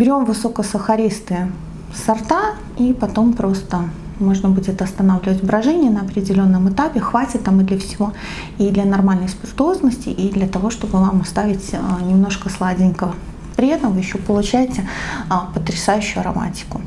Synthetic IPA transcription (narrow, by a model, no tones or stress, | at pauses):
bʲɪɾʲo̞mvɨso̞kəsəxɐɾʲist̪ɨ | sɐrt̪a | ipɐt̪o̞mpɾo̞st̪ə | mo̞ʐnəbudʲɪt̪ɐst̪ɐnavlʲɪvətʲbɾɐʐɛnʲɪjənəɐpɾʲɪdʲɪlʲo̞nːəmɨt̪apʲɪxvatʲɪt̪ːamɨd̪lʲəfsʲɪvo̞ | id̪lʲɐnɐrmalʲnəjspʲɪrt̪ʊo̞znəsʲtʲɪ̰ʔid̪lʲɐt̪ɐvo̞ʂt̪o̞bɨvamst̪avʲɪtʲənʲɪmno̞ʂkəslˠadʲɪnʲkəə | pɾʲɪɛt̪əmvɨjɪɕːopəlˠʊt͡ɕæjɪtʲɪəpət̪ɾʲɪsajʉɕːʊʊɐɾɐma̰tʲɪ̥kʊ